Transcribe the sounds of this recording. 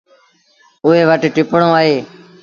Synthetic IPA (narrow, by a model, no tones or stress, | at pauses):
ʊɦeːʋəʈʈɪpɳõːaːɦeː